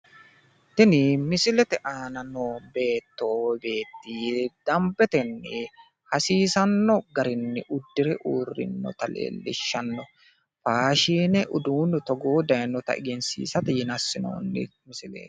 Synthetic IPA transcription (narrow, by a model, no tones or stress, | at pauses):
t̪ɪnɪmɪsɪlɛt̪ɛʔaːnɐnobe̞ːt̪ːoːbe̞ːt̪ːiːd̪̥ɐmbɛt̪ɛnːɪ | hɐsiːsɐnːɔɡɐɾɪnːɪʔʊd̪ːɪɾɛʔuːrːɪ̰nːɔ̰t̪ɐlḛːlːɪ̰ʃːɐnːɔ | faːʃiːnɛʔʊd̪uːnːɪt̪ɔɡoːd̪ɐjnːɔt̪ɐ̰ʔɪ̰ɡɪnsḭːsɐt̪ɪjɪnɐsːɪno̰ːnːɪ̰mɪsɪlḛːt̪